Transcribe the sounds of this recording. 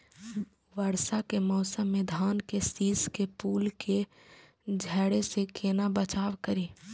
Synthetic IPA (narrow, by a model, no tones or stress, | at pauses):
ʋəɾsakemɔːsəmːẽd̪ʱaːnkesiːskepuːlkʰe | d͡ʒʱɛːɽesekʰeːnabət͡ʃaːwkəɾiː